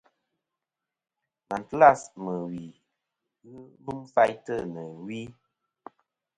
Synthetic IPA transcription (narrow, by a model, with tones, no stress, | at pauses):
na˨n˨tla˦˨smə˨wi˨ | ɣɨ˦bɨ˦mfa˦jtə˦˨nə˨wi˦